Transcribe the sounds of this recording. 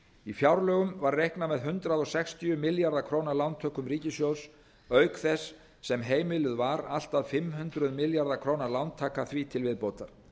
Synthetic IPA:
ifjawɾlœɣʏmvaɾrejhknamɛðɦʏnt̪ɾaðɔsɛkst̪ʰiʏmɪljaɾðakʰɾoːwnalawnt̪ʰœːhkʏmriːcɪsjows | œːɥkθɛsː | ɛmɦeːjmɪlʏðvaɾal̥t̪aðfɪmhʏnt̪ɾʏðmɪljaɾðakʰɾoːwnaɾlawnt̪ʰaːkaθvit̪ʰɪlvɪðpowt̪aɾ̥

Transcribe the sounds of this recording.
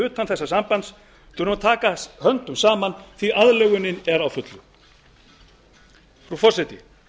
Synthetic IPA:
ʏːt̪anθɛsːasampant̪s | t̪ʰʏɾnumt̪ʰaːkashœnt̪ʏmsaːmanθviʔaðlɛɣʏnɪnɛɾawfʏt̪lʏ | fɾufɔrsajt̪ɪ

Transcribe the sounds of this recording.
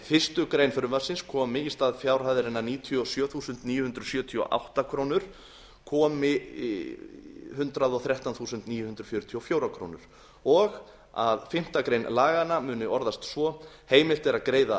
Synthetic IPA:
fɪst̪ʏkɾeːjnfʏɾʏmasɪnskʰɔːmɪist̪aːðfjaːwɾ̥haðɪɾɪnːaniːt̪ʰijɔsjœːθuːsʏnt̪niːjʏhʏnd̪ɾʏsjœːt̪ʰiɔ̰ʔa̰wht̪akʰɾoːwnʏɾ̥ | kʰɔːmɪ | hʏnt̪ɾaðɔθɾjaht̪anθuːsʏnt̪niːjʏhʏnd̪ɾʏ̥fjʏːɾʏt̪ʰiɔfjoːwɾakʰɾo̰wnʏ̰ɾ̥ | ɔɣ | a̰ðfɪm̥t̪akɾejnlaːɣanamʏːnʏɔɾðast̪svɔ | heːjmɪl̥t̪ɛɾakɾeːjða

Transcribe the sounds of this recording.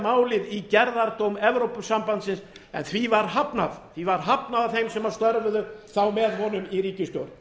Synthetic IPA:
maːwlɪðicɛɾðaɾt̪owmɛvɾowpʏsampant̪sɪnsɛ̰nθvivaɾɦapnaðθvivaɾ̥ɦapnaðaθejmsɛmaɾst̪œɾvʏðʏθawmɛðɦɔn̪ʏmiɾiːcɪst̪jo̰wɾ

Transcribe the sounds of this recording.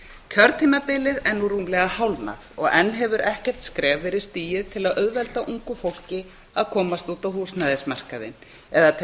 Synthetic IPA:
cʰœɾt̪ʰiːmapɪlɪðɛnuɾuːmlɛɣahawlna̰ðɔɣɛnːɦɛvʏɾʔɛhcɛr̥t̪skɾɛːvɪɾɪðst̪iːjɪðt̪ʰɪlaðʔœðvɛlt̪aʔuŋkʏfowl̥cɪ | aðkʰɔːmast̪uːt̪awɦuːsnaːðɪsmar̥kaðɪ̰n | ɛðat̪ʰ

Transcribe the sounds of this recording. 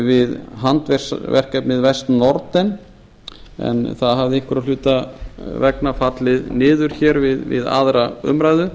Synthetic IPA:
vɪðɦant̪vɛ̥svɛ̰r̥kɛpnɪðvɛst̪nɔɾt̪ɛn | ɛ̰nθaðɦavðɪeŋkʏɾalʏːt̪avɛknafat̪lɪðnɪːðʏɾ̥çɛːɾvɪðvɪ̰ða̰ðɾaʏ̰mɾaːjðʏ

